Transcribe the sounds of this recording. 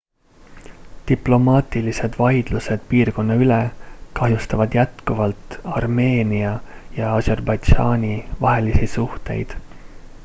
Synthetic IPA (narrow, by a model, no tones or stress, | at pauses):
t̪iplo̞mɑːt̪ˑilise̞d̪̥vɑjd̪̥luse̞d̪̥piːrko̞nːɑylekɑɦjust̪ɑvɑd̪̥jæt̪kuvɑlt̪ˑɑrme̞ːniɑjɑɑse̞rbɑjd̪ʒɑːnʲivɑɦe̞lisisuht̪e̞̰jd̪̥